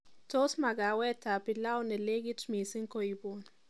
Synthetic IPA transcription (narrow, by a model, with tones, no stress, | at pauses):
to˦sma˨ɡa˨wɛ˦ta˨pi˨la˦wnɛ˨le˦ɡ̬i˦tmi˨si˦ŋko˨i˨bo˦ni